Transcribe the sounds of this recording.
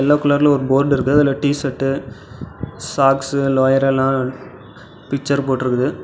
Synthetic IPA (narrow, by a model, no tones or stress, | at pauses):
ɛlːaːkʊlaɾl̃ɔɾɯboːɾɖɪɾɯkːðɯɐðɪlːɐʈiːsɐʈːɯ | saːksɯloːjɐɾɛlːãː | pɪk̚t͡ʃːɐɾpoːʈːɪɾɯkːɐðɯ